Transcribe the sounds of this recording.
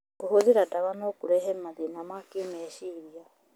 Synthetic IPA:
kohoðiɾadaβanokuɾɛɦɛmaðinamakiomɛʃiɾia

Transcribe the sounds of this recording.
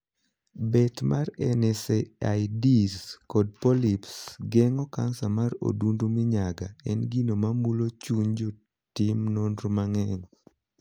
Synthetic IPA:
bɛtmarɛnɛseaidiskɔd̚pɔlipsɡɛŋɔka̰nsamaro̰dundomɪɲaɡa̰ɛnɡinomamulot͡ʃuɲd͡ʒɔ | timnondɾmaŋɛŋ

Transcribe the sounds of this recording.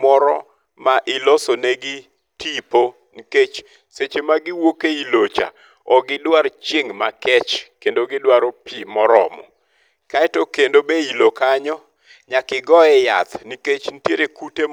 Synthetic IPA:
mɔɾɔ̰ | maʔɪlɔsoneɡɪ | tipo | niket͡ʃ | set͡ʃemaɡɪwokeilot͡ʃa̰ | ɔɡɪdwaɾt͡ʃɪŋmakɛt͡ʃkendoɡɪdwaɾopimɔɾɔ̰mɔ̰ | kaɛtokendobeilokaɲɔ | ɲakɪɡɔɛja̰t̪niket͡ʃnitjeɾekute

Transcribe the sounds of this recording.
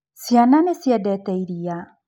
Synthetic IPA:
siananesjɛdɛtɛiɾia

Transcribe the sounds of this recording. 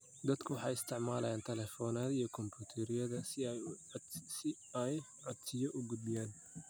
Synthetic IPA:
d̪ɐd̪kʰʊwɑħɑjɪst̪ʰɪʕmaːlɐjaːnt̪ʰɛlɛfɔːnaːðijɔkʰɔmbuːt̪ʰɛɾɪjɐðɐsɪ | sɪ | ɛj | ʕɔd̪sɪjɔʔʊɡʊd̪̚bɪjaːn

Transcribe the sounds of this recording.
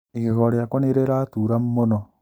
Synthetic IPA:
ikihoɾjakoneɾeɾatuːɾammono

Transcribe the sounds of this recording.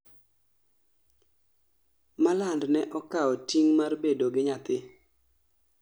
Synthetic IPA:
malandnɛʔɔkaɔtiŋmarbedoɡɪɲat̪ɪ

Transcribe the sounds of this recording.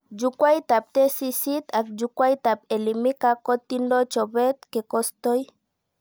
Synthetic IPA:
d͡ʒukwajt̪ap̚t̪esisit̪ak̚d͡ʒukwajt̪apelimikakot̪indot͡ʃoβet̪̚kekost̪oj

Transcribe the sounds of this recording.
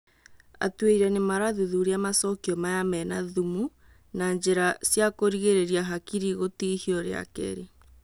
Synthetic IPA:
a̰tweiɾɛnemaɾaðuðuɾeamasɔkiɔmajamɛnaðumu | naɲd͡ʑeɾasjakoɾiɣeɾeɾiaɦakiɾiɣotihiɔɾea̰kɛ̰ɾe

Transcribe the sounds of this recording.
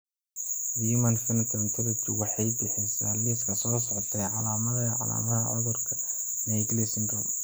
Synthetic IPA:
jiːmɐnsɛnt̪ʰɐnt̪ʰɛɾɐt͡ʃʊwɑħɑjbɪħɪjsaːliːfkʰɐsɔːsɔʕt̪ʰɛjʕɑlaːmɐðɐʕɑ̰la̰ːmɐɦɐ̰ʕʊðʊrkʰɐ̥ | nɛɡlɪsndɔl

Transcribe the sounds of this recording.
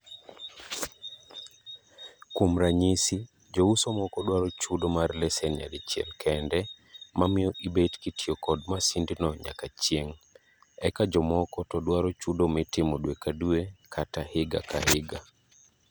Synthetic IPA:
komɾaɲisi | d͡ʒousomɔkɔdwaɾɔt͡ʃudomarlɛsɛnja̰dit͡ʃjḛmkʰɛndɛ | mamɪɔʔibetkitiɔkɔd̚masindinɔɲa̰kat͡ʃjeŋ | ɛkad͡ʒɔmɔkɔtɔdwaɾɔt͡ʃudomɪtɪmodwekaduekʰatahɪɡa̰kahɪɡa

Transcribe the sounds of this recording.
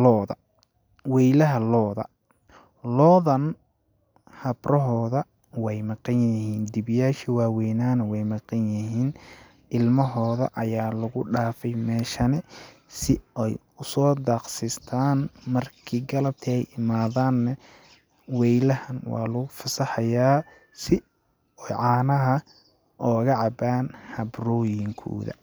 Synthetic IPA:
lɔːðɐ̰ | wɛjlɐɦɐlɔːðɐ̰ | lɔːðɐn | hɐbrʔɔɦɔːðɐ | wɛjmɑqɑnjɪhiːnd̪ibɪjaːʃiwaːwɛjnaːnɐwɛjmɑqɑnjɪɦiːn | ʔɪlmɐɦɔːðɐ̰ʔɐjaːlʊɣʊɖaːfɛjmɛːʃɐnɛ | sɪɛj | ʊsɔːd̪ɑːqsɪst̪ʰaːnmɐrkʰiːɡɐlɐb̚t̪ʰiɛjʔɪmaːðaːnːɛ | wɛjlɐhɐnwɑ̰ːlʊɣʊfɐsɐħɐjaː | sɪ | ɛjʕɑːnɐɦɐ | ʔɔːɣɐʕɑbaːnhɐbrɔːjɪŋkʰɔ̰ːðɐ̰

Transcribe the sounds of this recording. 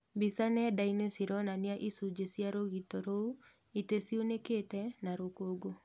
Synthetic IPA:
bisanɛdainesiɾɔnaniaʔisud͡ʒesjaɾoɣitɔɾou | itesioneketɛnaɾokoɡo

